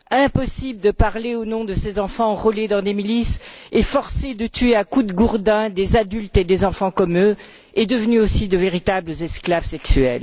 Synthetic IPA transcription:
ɛ̃pɔsibld̪əpaʁleonɔ̃d̪əsezɑ̃fɑ̃ʁɔled̪ɑ̃d̪emilisefɔʁsed̪ət̪ɥeãkud̪əɡuʁd̪ɛ̃d̪ezad̪ylt̪ed̪ezɑ̃fɑ̃kɔmø | ed̪əvnyosid̪əveʁit̪abləzɛsklavsɛksyɛ̰l

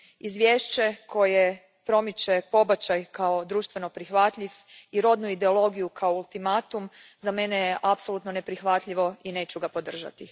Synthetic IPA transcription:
izʋʲjeʃt͡ɕe̞kʰo̞je | pɾo̞mit͡ɕe̞po̞bat͡ɕajkao̞d̪ɾuːʃt̪ʋe̞no̞pɾixʋat̪ʎʲiʋ | iɾo̞d̪nuid̪e̞o̞lo̞ɡijukʰaoulˠt̪imat̪umzame̞nejeʔapso̞lˠut̪no̞ne̞pɾixʋat̪ʎiʋo̞ine̞ːt͡ɕuɡapo̞d̪r̩ʒa̰t̪i

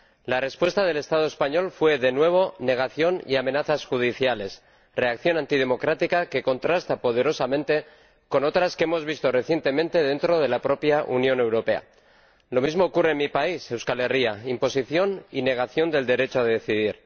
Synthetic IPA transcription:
lare̞spwe̞st̪að̞e̞le̞st̪að̞oespaɲo̞lfwe̞ðe̞nwe̞β̞o̞ne̞ɣ̞aθjo̞nḭame̞naθasxuð̞iθjale̞s | re̞akθjo̞nãnt̪ið̞e̞mo̞kɾat̪ikake̞ko̞nt̪ɾast̪apo̞ð̞e̞ɾo̞samẽnt̪e̞ | ko̞no̞t̪ɾaskee̞mo̞zβist̪ore̞θje̞nt̪e̞mẽ̞nt̪e̞ðe̞nt̪ɾo̞ð̞e̞lapɾo̞pjaʔunjõ̞ne̞wɾo̞pe̞a̰ | lo̞mizmo̞ːkureːnmipaise̞wskale̞riaimpo̞siθjo̞nine̞ɣ̞aθjo̞nd̪e̞ld̪e̞ɾe̞t͡ʃoaðeðeθiðiɾ

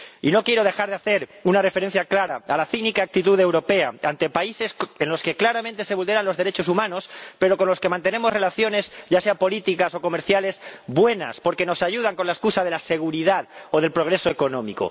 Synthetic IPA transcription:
ino̞kje̞ɾo̞ð̞e̞xaɾðeaθe̞ɾunare̞feɾe̞n̟θjaklaɾaalaθinikaak̚t̪it̪uðe̞wɾo̞pe̞aant̪e̞paise̞senlo̞ske̞klaɾamẽnt̪ese̞βuld̪e̞ɾanlo̞zðe̞ɾe̞t͡ʃo̞sumãno̞spe̞ɾo̞ko̞nlo̞ske̞mãnt̪ene̞mo̞sre̞laθjo̞ne̞zɟ͡ʝase̞apo̞lit̪ikaso̞ko̞me̞ɾθjale̞zbwe̞na̰spo̞ɾke̞no̞saʝuð̞aŋko̞nlaeskusaðe̞lase̞ɣ̞uɾiðaðo̞ðe̞lpɾo̞ɣɾe̞soeko̞nõ̞miko̞̰

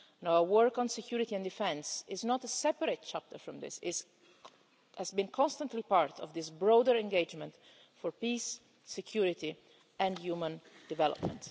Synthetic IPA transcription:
nawəwəɹkɔ̃nsɛkʰjuːɾit̪iɛ̃nd̪ifɛ̃nsɪznɔt̪əsɛpəɾet̚t͡ʃæp̚t̪əɹfɹɔ̃md̪ɪ̰sɪ | ɛzbĩnkʰɔ̃nst̪ãntlipaɹt̪ʰɔvd̪ɪsbɹɔd̪əɹɛ̃ŋɡed͡ʒmɛ̃nt̪ | fɔɹpiːsː | ɛkʰjuɹɪt̪i | ʔɛ̃ndjuːmə̃nd̪ɪvɛlɔ̰p̚mɛ̰̃nt

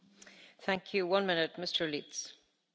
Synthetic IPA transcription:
θæ̃ŋkʰjʉwʌ̃nmɪ̃nɨt̚mɪstʰə˞lits

